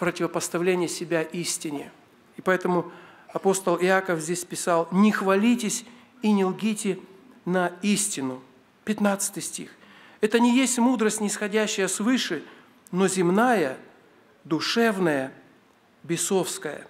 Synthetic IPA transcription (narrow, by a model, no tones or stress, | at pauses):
pɾətʲɪvəpəst̪ɐvlʲenʲɪjəsʲɪbʲaʔisʲtʲɪnʲɪ | ɪpɐɛt̪əmʊɐpo̞st̪əlˠɪakəfzʲdʲesʲpʲɪsalˠnʲɪxvɐlʲitʲɪsʲ | inʲɪlˠɡʲitʲɪnɐisʲtʲɪnʊ | pʲɪt̪nat̪sɨ̥t̪ɨjsʲtʲix | ɛt̪ənʲɪjesʲtʲmud̪ɾəsʲtʲnʲɪsxɐdʲæɕːɪjəsvɨʂɨ | nozʲɪmnajə | d̪ʊʂɛvnəjə | bʲɪso̞fskəjə̰